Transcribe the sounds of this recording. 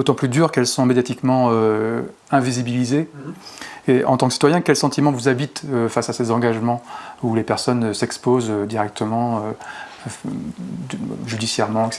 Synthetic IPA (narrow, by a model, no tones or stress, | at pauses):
d̥̪ot̪ɑ̃plyd̪yʁkɛlsɔ̃med̪jat̪ikmɑ̃ø | ɛ̃vizibilizeː | ʔɑ̃t̪ɑ̃ksi̥t̪wajɛ̃kʲɛlsɑ̃t̪imɑ̃vuzabit̪øfasasezɑ̃ɡaʒmɑ̃ulepɛʁsɔnsɛkspozød̪iʁɛk̚t̪ʰəmɑ̃ø | ʒyd̪isjɛʁmɑ̃ɛkse̥